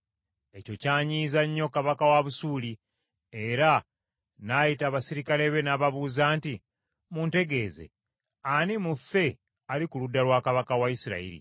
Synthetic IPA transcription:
e̞co̞caːɲiːzaɲːo̞kaβakawaβusuːli | eɾa | naːjitaːβasiɾikaleβe̞naːβaβuːzaːnti | munte̞ɡe̞ːzḛ | animufe̞ | alikuludːalwaːkaβakawaisiɾa̰ḭɾḭ

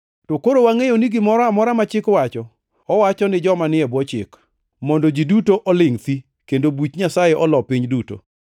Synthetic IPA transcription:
tɔkoɾowaŋejoniɡɪmɔɾɔamɔɾamat͡ʃɪkwat͡ʃɔː | wat͡ʃɔnɪd͡ʒɔmanɪɛbɔt͡ʃɪ̰k | mɔndɔd͡ʒidutoʔɔlɪŋt̪i | kendobit͡ʃɲasajɛʔɔlɔpiɲduto̰

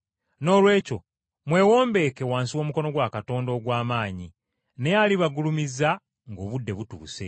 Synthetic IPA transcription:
no̞ːlwe̞ːco̞̰ | mwe̞ːwo̞ːmbe̞ːkewaːnsiwo̞ːmuko̞no̞ɡwakato̞ːndo̞ːɡwaːmaːɲi | ne̞jaliβaɡulumiza | ŋɡo̞ːβudːe̞βutṵːse̞̰

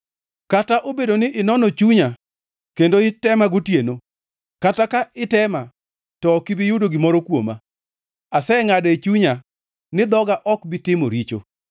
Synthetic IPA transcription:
kataʔobedonɪʔɪnɔnot͡ʃuɲa | kendoɪtɛmaɡotjeno | katakaʔɪtɛma | tɔːkɪbɪjʊdoɡɪmɔɾɔkwo̰ma̰ | asɛŋadet͡ʃuɲa | nɪd̪ɔɡaʔɔkbɪtɪmo̰ɾit͡ʃo̰

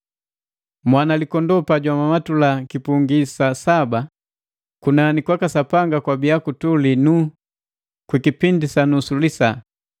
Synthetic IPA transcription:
mwanalikɔndɔpaɟwamamatulakipuŋɡisasaba | kunanikwakasapaŋɡakwabiakutulinu | kwikipindisanusulisa

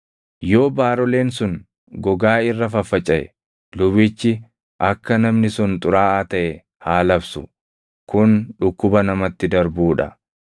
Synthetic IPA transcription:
jo̞ːbaːɾɔle̞ːnsʊn | ɡɔɡaːɪrːɐfɐfːɐt͡ʃʼːɐʔɛ̰ | lʊβɪt͡ʃːɪ | ʔɐkːɐnɐmnɪsʊnt̪ʼʊɾaːaːt̪ɐʔɛ | haːlɐbsʊ | kʊnᶑʊkːʊbɐnɐmɐt̪ːɪd̪ɐɾbuːᶑɐ̰

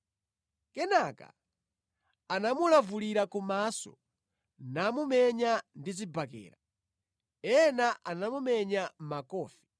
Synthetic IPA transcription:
kɛnaka̰ | anamulavuliɾakumasɔ̰ | namumɛɲandizibakɛ̰ːɾa | ɛnaʔanamumɛɲam̩makɔːfi̥

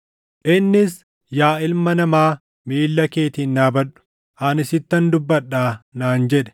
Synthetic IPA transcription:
ʔɪnːɪs | jaːɪlmɐnɐmaː | miːlːɐke̞ːt̪ɪnːaːbɐᶑʊ̥ | ʔanɪsɪt̪ːɐnd̪ʊbːɐᶑːaːnaːnd͡ʒɛᶑɛ̥

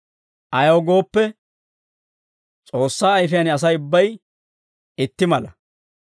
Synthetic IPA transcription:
ʔɐjɐwɡo̞ːpːɛ | t͡sʼoːsːaːjfɪjɐnɪɐs̬ɐjʊbːɐj | ɪt̪ːɪmɐlɐ

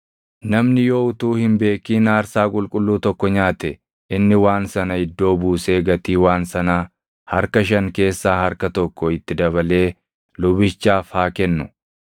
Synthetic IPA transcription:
nɐmnɪjoːʊt̪uːhɪmbe̞ːkːiːnaːɾsaːkʼʊlkʼʊlːuːt̪ɔkːɔɲaːt̪ɛ | ʔɪnːɪwaːnsɐnɐɪd̪ːo̞ːbuːse̞ːɡɐt̪iːwaːnsɐnaː | hɐɾkɐʃ̬ɐŋke̞ːsːaːhɐɾkɐt̪ɔkːɔɪt̪ːɪd̪ɐβɐle̞ː | lʊbɪt͡ʃːaːfhaːkɛnːʊ

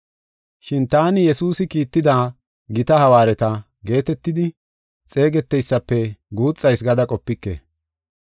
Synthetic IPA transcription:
ʃɪnt̪aːnɪjɛsuːsɪkiːt̪ːɪd̪aː | ɡɪt̪ɐhɐwaːɾɛt̪ɐ | ɡe̞ːt̪ɛt̪ːɪd̪ɪ | t͡sʼe̞ːɡɛt̪ːɛjsːɐpːɛɡuːt͡sʼːɐjsɡɐd̪ɐkʼɔpːɪkːḛː

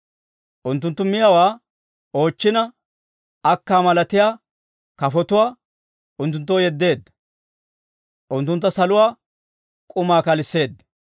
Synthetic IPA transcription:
ʔʊnt̪ːʊnt̪ːʊmɪjawaː | o̞ːt͡ʃːɪnɐ | ɐkːaːmɐlɐt̪ɪjaː | kɐfɔt̪ʊwaː | ʊnt̪ːʊnt̪̬ːoːjɛd̪ːe̞ːd̪ːɐ̥ | ʔʊnt̪ːʊnt̪ːɐsɐlʊwaː | kʼʊmaːkɐlɪsːe̞ːd̪ːɐ

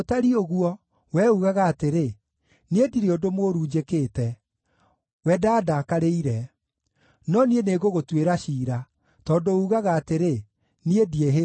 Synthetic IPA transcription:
otaɾioɣuɔ | wɛːuɣaɣaːteɾe | niediɾeodomoːɾuːd͡ʒekeːtɛ | wɛːdaːdakaɾeiɾɛ | nɔnieneɣoɣotweɾaʃiːɾa | tɔːndouɣaɣaːteɾe | niedieɦe

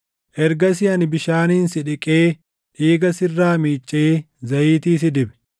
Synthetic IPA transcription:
ʔɛɾɡɐs̬ɪɐnɪbɪʃaːniːnsɪᶑɪkʼeː | ᶑiːɡɐsɪrːaːmiːt͡ʃʼːeː | zɐjiːt̪iːs̬ɪd̪ɪbɛ̥

